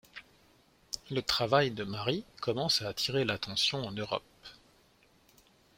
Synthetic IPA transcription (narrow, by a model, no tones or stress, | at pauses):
lət̪χavajd̪əmaʁikɔmɑ̃saːt̪ʰiʁelat̪ɑ̃sjɔ̃ɑ̃nøʁɔ̰p̚